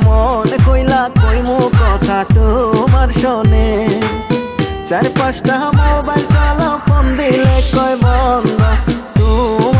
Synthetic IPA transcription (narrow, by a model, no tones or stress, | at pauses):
mɔnkojlakojmokɔt̪ʰat̪umaɾʃɔne | t͡ʃaɾpasʈ̪aɦamobaɾt͡ʃalapʰɔnd̪ilekɔjbɔnd̪ɔt̪um